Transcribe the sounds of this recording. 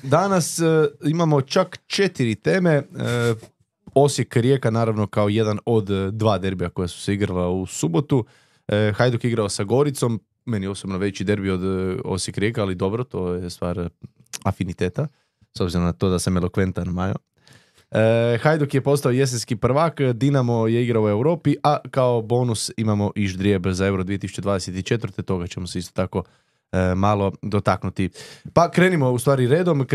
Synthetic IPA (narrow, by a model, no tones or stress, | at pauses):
d̪anasimamo̞t͡ʃakt͡ʃe̞t̪iɾit̪e̞ːme̞ə | o̞sjekɾje̞ːkanaːɾaʋno̞kaoje̞d̪ano̞d̪d̪ʋaːd̪e̞ɾbijako̞jasu̥seiɡɾalausubo̞t̪u | əxajd̪ukiɡɾaosaɡo̞ɾit̪so̞m | me̞nijeo̞sobnoʋe̞t͡ɕid̪e̞ɾbiod̪o̰sjekɾʲjeːkaalid̪o̞bɾot̪o̞jest̪ʋa̰ːɾ | afinit̪eːt̪a | sobziɾomnat̪o̞ːd̪asamelo̞kʋe̞nt̪anmajo̰ | əxajd̪okjepo̞st̪aoje̞s̬enskipr̩ʋakd̪inamojeiɡɾaue̞wɾo̞ːpiʔakaobo̞ːnusimamo̞ʔiʒd̪ɾjebzae̞wɾod̪ʋiet̪isu̥t͡ɕe̞d̪ʋaːd̪eset̪it͡ʃe̞t̪ʋəɾt̪et̪o̞ɡat͡ɕemoseist̪ot̪ako̞ | malˠo̞d̪o̞t̪aknut̪ipakɾe̞ːnimo̞ust̪ʋaːɾiɾe̞ːd̪o̞m